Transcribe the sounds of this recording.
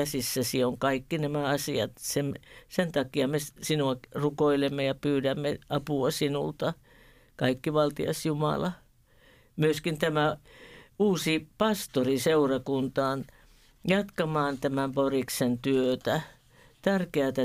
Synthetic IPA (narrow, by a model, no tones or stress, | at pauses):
æsisːæsioŋkɑikːinæmæɑsiɑ̰t̪semsent̪ɑkiɑmessinuɑrukoilemːejɑpyːdæmːeɑpuɑsinṵlt̪ɑ | kɑikːiʋɑlt̪iɑ̰sjumɑ̰lɑ | myøskint̪æmæ | uːsipɑst̪oriseurɑkunt̪ɑːn | jɑt̪kɑmɑːnt̪æmæmporiksent̪yøt̪æ | t̪ærkeæt̪æ